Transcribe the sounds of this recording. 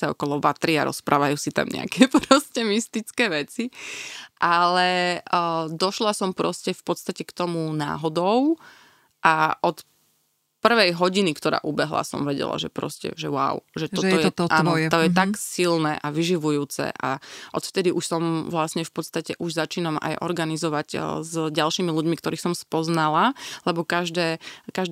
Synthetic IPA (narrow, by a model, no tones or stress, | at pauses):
saɔkɔlɔʋat̪ɾiaɾɔ̰spɾʔa̰ːʋajuːsit̪a̰mɲɛ̰a̰kɛpɾɔscɛmist̪it͡skɛːʋɛt͡siʔalɛ | d̪ɔʃlasɔmpɾɔscɛfpɔt̪st̪acɛkt̪ɔmuna̰ːɦɔd̪ɔʊ | ʔaʔɔt̪ | pr̩ʋɛjɦɔɟinikt̪ɔɾa̰ːʔubɛɦla̰sɔ̰mʋɛɟɛ̰la̰ʒɛ̰pɾɔ̰scɛ̰ʒɛwa̰ʊʒɛtɔt̪ɔjɛt̪ɔʔaːnjɛt̪ɔjɛt̪aksilnɛ̰ːʔaʋiʒiʋujuːt͡sɛ̰ʔa̰ʔɔt̪ft̪ɛd̪iʔuʃsɔmʋlasɲɛfpɔt̪st̪acɛʔuʒzat͡ʃiːnama̰jʔɔ̰ɾɡanizɔʋaɟzɟalʃiːmiluɟmikt̪ɔɾiːxsɔmspɔznalalɛbɔkaʒd̪ɛːkaʒ